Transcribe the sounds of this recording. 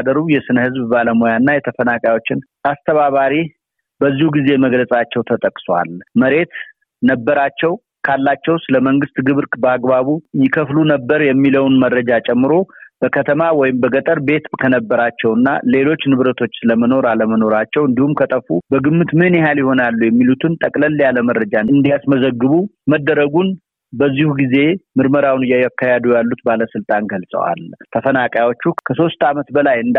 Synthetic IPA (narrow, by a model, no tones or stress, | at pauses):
d̪əɾujɛsɨnəhɨzbbaləmojanːajɛt̪ʰəfənakʼawo̞t͡ʃːɪn | ast̪ʰəβaβaɾi | bəzːihuɡize̞məɡləsʼat͡ʃːɛwt̪ʰət̪ʼəkʼswʷa̰lməɾe̞t̪ | nəbːəɾat͡ʃːɛw | kʰalːat͡ʃːɛwsɨləməŋɡɨst̪ɡɨβɾkʼbəaɡbaβujɪkʰəflunəbːəɾjɛmːiləwnməɾːəd͡ʒat͡ʃʼɛmːɨɾo̞b̥əkʰət̪ʰəmawɔjɪmbəɡət̪ʼəɾbe̞t̪bkʰənəbːəɾat͡ʃːɛwɨnːa̰le̞lo̞t͡ʃːnɨβɾət̪ʰo̞t͡ʃːsɨləməno̞ɾaləməno̞ɾat͡ʃːɛwɨnd̪ihumkʰət̪ʼəfːubəɡɨmːɨt̪mɨhɨnjɪɦaljɪho̞nalːujɛmːilut̪ʰɨnt̪ʼəkʼləlːjaləməɾːəd͡ʒaɨnd̪ijasməzəɡːɨβuməd̪ːəɾəɡun | bəzːihuɡize̞mɨɾməɾawnɨjːajakːajad̪ujalːut̪baləsɨlt̪ʼanɡəlsʼə̰wa̰lt̪ʰəfənakʼjawo̞t͡ʃːukʰəso̞st̪amət̪bəlajɨnd̪